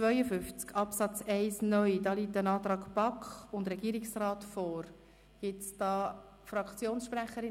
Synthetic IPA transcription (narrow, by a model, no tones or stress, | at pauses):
vœʏəfʏft͡skʰɑpsɑt͡sɛɪsnœʏdɑːliːtənɑːt̪ɾɑːkpɑkχʊndɾɛɡiːɾɪksrɑːtfɔːɾ | ɡ̥ɪtt͡sd̥ɑː | fɾɑkt͡sjoːnsʃpræχəɾɪ